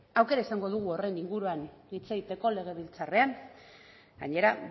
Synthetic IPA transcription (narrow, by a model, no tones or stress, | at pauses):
awke̞ɾaisaŋɡo̞ð̞uɣ̞uo̞re̞niŋɡuɾuanit͡seit̪e̞ko̞le̞ɣ̞e̞βilt͡sare̞aŋ | ɡaɲe̞ɾa